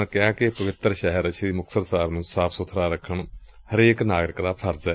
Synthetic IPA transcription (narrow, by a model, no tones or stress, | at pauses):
kɪjaːkepəʋɪt̪ːɾʃɛːɦəɾət͡ʃʰːd̪imʊkʰsəd̪saːbnũːsaːpʰsʊt̪ʰːɾaːɾəkʰːəɳhəɾeːknaːɡɾɪkd̪aːpʰəɾd͡ʒɛː